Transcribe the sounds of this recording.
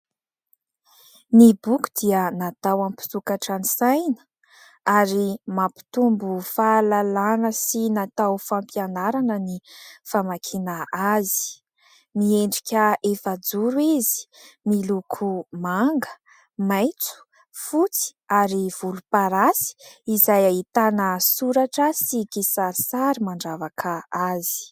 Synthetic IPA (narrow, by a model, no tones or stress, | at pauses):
nibuku̥d̪̥iənat̪awamipi̥t̪ukaʈ͡ʂanisajnə̥ | aɾimapi̥t̪umbufalalanəsinat̪awfampjanaɾanənifamakʰinaazi̥ | mieɳɖ͡ʐikʲəefad͡zuɾuizi̥milukʰumaŋɡə | majt͡su̥ | fut͡si̥ | aɾiv̥ulupaɾasi̥izajait̪anəsuɾaʈ͡ʂəsikisaɾisaɾimaɳɖ͡ʐavakʰaazi̥